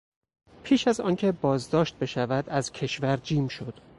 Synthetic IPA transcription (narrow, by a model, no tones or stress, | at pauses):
pʰiːʃæzɒːncʰe̞bɒːzd̪ɒːʃt̪̚be̞ʃævæd̪æzcʰe̞ʃvæɾd͡ʒiːmʃo̞d̪̥